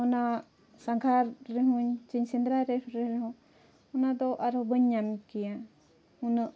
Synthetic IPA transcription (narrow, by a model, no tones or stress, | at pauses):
ɔna | saŋkʰaɾːɛɦuɲt͡ʃiɲsind̪ɾaɾɛɾɾɛɾɛɦɔ̃ | ɔnad̪ɔʔaɾhɔbəɲːamikija | unəʔ